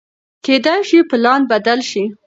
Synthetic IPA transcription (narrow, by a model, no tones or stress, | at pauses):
ked̪ajʃipəlɑnbad̪alʃi